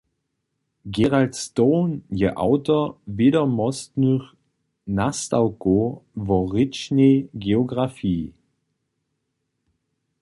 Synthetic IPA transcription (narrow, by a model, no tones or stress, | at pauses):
ɡeʁaltstoːnjəʔa̰ʊtoveːdɐmɔstnyχ | nastaʊkovɔʁɪt͡ʃneɡeoɡʁafiː